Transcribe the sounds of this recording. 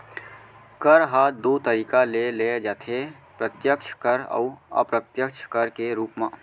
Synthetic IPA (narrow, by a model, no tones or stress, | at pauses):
kəɾɦaːd̪ot̪əɾiːkaleled͡ʒaːt̪ʰe | pɾət̪jək̚t͡ʃʰkəɾə̰uə̰pɾət̪jəkt͡ʃʰkəɾkeɾuːpmãː